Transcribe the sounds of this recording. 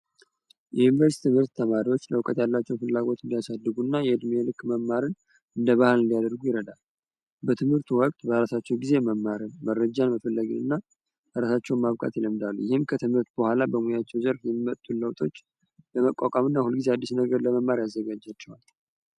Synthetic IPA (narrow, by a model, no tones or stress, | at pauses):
jɛjunivəɾst̪ʰɨmhɨɾt̪ːʰəmaɾiwo̞t͡ʃːləwkʼət̪jalːat͡ʃːɛwfɨlːaɡo̞t̪ɨnd̪ijasad̪ːɨɡunːajɛɨd̪melɨkːməmːaɾɨn | ɨnd̪əβahlɨnd̪ijad̪əɾɡujɪɾəd̪al | bət̪ʰɨmhɨɾt̪ʰuwɔkʼt̪ʼbəɾasat͡ʃːɛwɡize̞məmːaɾɨnməɾːəd͡ʒanməfəlːəɡɨnɨ̰nːa | əɾasat͡ʃːɛwnmaβkʼa̰t̪jɪləmd̪alːujɪhɪmkʰət̪ʰɨmhɨɾt̪bəhʷalabəmujat͡ʃːɛwzəɾfjɛmːimət̪ʰʼːuləwt̪ʰʼo̞t͡ʃː | ləməkʼːakʼamɨnːahulɡize̞ad̪ːisnəɡəɾləməmːaɾjazːəɡad͡ʒat͡ʃːɛwal